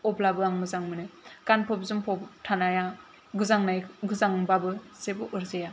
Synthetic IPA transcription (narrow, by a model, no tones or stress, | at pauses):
ɔblabɯaŋmɯzaŋmɯnɯkanpʰɔpzɯmpʰɔptʰanaja | ɡɯzaŋnajɡɯzaŋbabɯz̥ebɯʔɯɾzeja